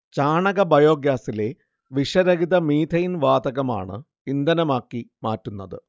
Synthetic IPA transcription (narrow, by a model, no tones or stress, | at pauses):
t͡ɕaːɳɐɣɐbʱɐjo̞ːɡjaːsile̞ | ʋiʂɐɾɐɣiðɐmiːd̪ʰʱɐjinʋaːd̪ɐɣɐma̰ːɳɨ̰ | ind̪ɐnɐmaːkːimaːtːunːɐðɨ̰